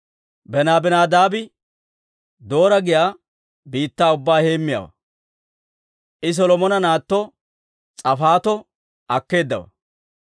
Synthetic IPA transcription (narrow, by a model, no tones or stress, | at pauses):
bɛnaːbɛnaːd̪aːbɪ | d̪o̞ːɾɐɡɪjaː | biːt̪ːaːʊbːaːhe̞ːmːɪja̰wɐ̰ | ʔɪs̬ɔlɔmɔnɐnaːt̪ːɔ | t͡sʼɐfaːt̪ɔ | ʔɐkːe̞ːd̪ːɐwɐ̰